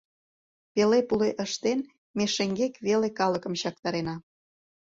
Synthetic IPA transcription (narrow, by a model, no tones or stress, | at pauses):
pelepuleʔəʃt̪en | meʃeŋɡekβelekɑləkə̆mɕɑk̚t̪ɑɾenɑ